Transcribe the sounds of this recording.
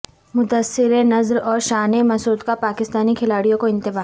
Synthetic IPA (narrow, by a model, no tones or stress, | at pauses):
mʊd̪əsːɪɾenɐzɾɔːɾʃaːnemɐsuːd̪kapaːkɪst̪aːnikʰɪlaːɽijõkoɪ̃nt̪ɪbaː